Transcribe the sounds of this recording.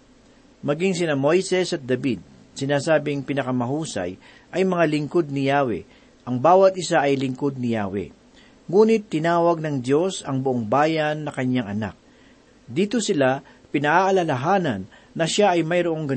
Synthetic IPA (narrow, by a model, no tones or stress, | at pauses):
mɐɡiŋsɪnamo̞jsɛsɐt̪̚d̪ɐbid̪̚ | sɪnaːsaːbɪŋpɪnɐkɐmɐɦuːsɐ̰j | ʔɐjmɐŋalɪŋko̞d̪̚nɪjaːwɛ̰ | ʔɐŋbaːwɐt̪̚ʔɪsaʔɐjlɪŋko̞d̪̚nɪjaːwɛ̰ | ŋuːnɪt̪ːɪnaːwɐɡ̚nɐŋd̪jo̞sɐŋbʊʔo̞ŋbaːjɐnːɐkɐɲːaŋɐna̰k̚ | d̪iːt̪osɪla | pɪnɐʔaʔɐlɐlɐɦaːnɐnːɐʃaʔɐjmɐjɾoʔo̞ŋɡɐ